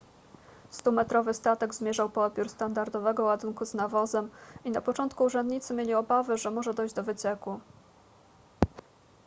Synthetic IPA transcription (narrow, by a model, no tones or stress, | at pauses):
st̪umɛt̪ɾɔvɘst̪at̪ɛɡzmʲjɛʐawpɔɔd̪̚bʲjuɾst̪and̪aɾd̪ɔvɛɡɔwad̪uŋkuznavɔzɛminapɔt͡ʂɔnt̪kuːʐɛnd̪ɲit̪sɘmʲjelʲiɔbavɘʐɛmɔʐɛd̪ɔjʑd͡ʑd̪ɔvɘt͡ɕɛku